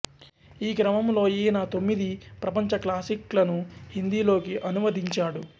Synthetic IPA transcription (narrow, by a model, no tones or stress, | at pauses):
iːɡɾɐmɐmlo̞ːjiːnaːt̪o̞mːid̪ipɾɐpɐɲt͡ʃɐklaːsiklɐnuhind̪iːlo̞ːkiʔɐnumɐd̪iɲt͡ʃaːɽu